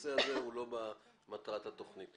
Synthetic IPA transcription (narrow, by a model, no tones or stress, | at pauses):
seaze̞ulo̞bamat̪ʁat̪hat̪o̞χnit̪